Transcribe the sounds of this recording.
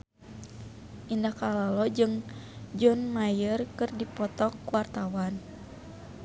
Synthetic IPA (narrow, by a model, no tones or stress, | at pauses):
ʔindakalalɔd͡ʒɨŋd͡ʒɔnmajərkɨrdipɔt̪ɔkːuwart̪awan